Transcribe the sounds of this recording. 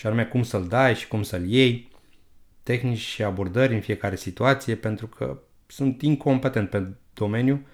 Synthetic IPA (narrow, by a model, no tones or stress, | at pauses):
ʃianumeakumsəld̪ajʃi̥kumsəlje̞j | t̪e̞xnit͡ʃʲʃiabo̞rd̪əɾʲɨnfije̞kaɾe̞sit̪uat̪sije̞pe̞nt̪ɾukʰə̰ | sunt̪iŋkʰo̞mpe̞t̪e̞nt̪ped̪̥o̞me̞nju